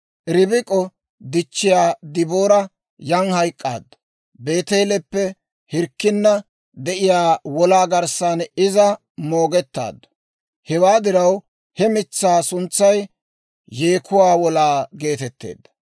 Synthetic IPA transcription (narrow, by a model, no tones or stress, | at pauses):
ʔɪɾɪbɪkʼːɔ | d̪ɪt͡ʃːɪjaːd̪ɪboːɾɐ | jɐŋhɐjkʼːa̰ːd̪ːɔ̥ | be̞ːt̪eːlɛpːɛ | hɪɾkːɪnːɐ | d̪ɛʔɪjaːwɔlaːɡɐɾsaːnɪzɐ | mo̞ːɡɛt̪ːa̰ːd̪ːɔ̥ | hɛwaːd̪ɪɾɐw | hɛmɪt͡sːaːsʊnt͡sːɐj | jeːkʰʊwaːwɔlaːɡe̞ːt̪ɛt̪ːḛːd̪ːɐ̥